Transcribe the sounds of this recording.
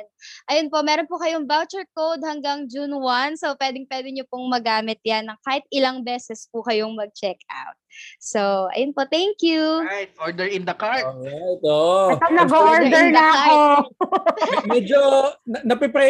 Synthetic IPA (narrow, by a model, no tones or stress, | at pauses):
ʔɐjonpo̞mɛːɾonpʊkɐjoŋbawt͡ʃɛɹkowd̪̚hɐŋɡaŋd͡ʒunwɐnsowpwɛːd̪ɪŋpwɛːd̪ɪɲopʊŋmɐɡaːmɪt̪̚janːɐŋkaːhɪt̪̚ɪlaŋbɛːsɛspʊkɐjoŋmɐɡ̚t͡ʃɛka̰wt̪̚soʔɐ̰jonpot̪ɛŋkjuajt̪oɹd̪ɛɹɪ̃nd̪ɐkaɹt̪̚ːajt̪oʔt̪onɐɡooɹd̪ɛɹnɐako | mɛd͡ʒonɐnɐpɪpɾɛ